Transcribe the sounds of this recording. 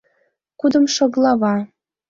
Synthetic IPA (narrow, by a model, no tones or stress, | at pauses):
kud̪ə̆mʃɤ̆ɣlˠɑβɑ